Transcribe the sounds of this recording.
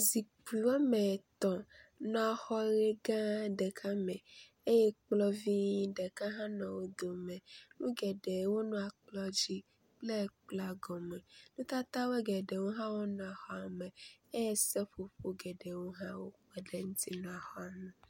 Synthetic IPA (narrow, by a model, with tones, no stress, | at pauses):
zi˨k͡pi˨wo˦mɛ˨t̪ɔ̃˨nɔ̃˦a˨xɔ˦ɾe˦ɡã˦ɖɛ˨kʰa˦mɛ̃˨ | e˦jɛ˦k͡plɔ˦vi˦ɖɛ˨ka˦ɦã˦nɔ̃˨wo˦d̪o˨mɛ̃˨nũ˦ɡɛ˨ɖe˨wo˦nũ˦a˨k͡plɔ˦d͡ʑi˦ | k͡ple˦˨k͡pla˨ɡɔ˨mɛ̃˨nũ˦t̪a˦t̪a˦we˦ɡɛ˨ɖe˨wo˦ɦã˦wo˦nɔ̃˨a˨xɔ˦a˨mɛ̃˨e˦jɛ˦sɛ˦ɸo˨ɸo˦ɡɛ˨ɖe˨wo˦ɦã˦wo˦mɛ˨ɖe˦ŋũ˦t̪i˦nɔ̃˨a˨xɔ˦a˨me˨